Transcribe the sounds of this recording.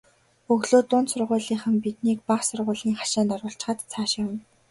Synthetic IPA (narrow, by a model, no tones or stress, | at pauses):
ɵɣɮoːt̪ʊːnsʊrʁʊːɮiːχə̆mpit̪̚niːkpaχsʊrʁʊ̟ːɮiːŋχḁʃaːnt̪ɔɾʊːɬt͡ɕ̆χə̆t̪t͡sʰaːʃjaw̆n